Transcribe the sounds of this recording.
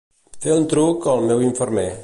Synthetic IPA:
felnt̪ɾukɔlmewiɱfɔɾme

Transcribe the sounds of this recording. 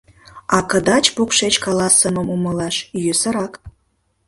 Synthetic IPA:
ɑkəd̪ɑt͡ɕpokʃet͡ɕkɑlɑsəmə̆muməlɑʃjøsəɾɑk

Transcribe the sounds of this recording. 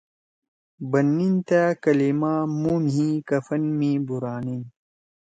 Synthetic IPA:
bɐnːint̪aːkɐlimaːmuːnɦĩːkɐfɐnmĩːbuɾaːnin

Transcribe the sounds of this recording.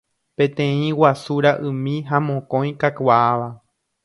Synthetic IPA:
pẽ̞t̪ẽĩwasuɾaʔɨ̃mĩɦamõkõj̃kakwaaʋa

